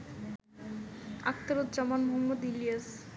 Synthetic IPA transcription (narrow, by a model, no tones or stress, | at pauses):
a̰k̚t̪aɾot̪̚d͡ʑamanmoɦmːod̪ilijas